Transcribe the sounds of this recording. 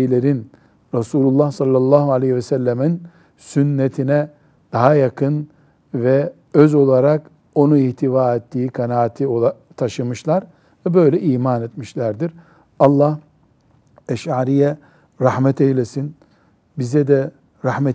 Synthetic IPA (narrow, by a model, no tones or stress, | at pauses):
lʲeɾin | ɾasuːlʲulˠːahsalʲˠːalˠːaːɦualʲehivɛsælʲːæmin | synːet̪ʰinɛ | d̪̥aɦajakʰɯn | vɛ | øzo̞lˠaɾak | o̞nuiht̪ʰivaːɛt̪ːiːkʰanaːt̪ʰioa | t̪ʰaʃɯmɯʃlˠaɾ | vɛbø̞jlʲɛʔiːmanet̪miʃlʲæɾd̪iɾ | ɑlˠːah | ɛʃaːɾijɛ | ɾahmɛt̪ʰejlʲesin | bizɛd̪ɛ | ɾahmɛ